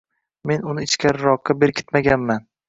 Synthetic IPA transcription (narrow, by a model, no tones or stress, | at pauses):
me̞nʊnɪɪt͡ʃkʲaɾɪɾɒqːabe̞ɾkʲʰɪ̥t̪maɡʲanman